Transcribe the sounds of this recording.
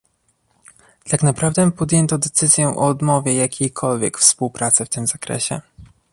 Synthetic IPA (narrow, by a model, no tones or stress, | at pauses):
t̪aknapɾavd̪ɛpɔd̪ʲjɛnt̪ɔd̪ɛt̪sɘzʲjɛʔɔːd̪mɔvʲjɛjakʲejkʰɔlvʲjɛ̰kfspuwpɾat̪sɛft̪ɘmzakɾɛ̰ɕɛ̰